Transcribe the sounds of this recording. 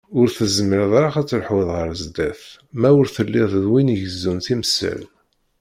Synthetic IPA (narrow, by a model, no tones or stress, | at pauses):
ʊɾθəzmɪɾðˤɾˤaχæt͡sːəlħwiðˤʁəɾəzd̪æθ | mæʊɾθəlːɪðˤðwinʝəzːunθiməsːæ̰l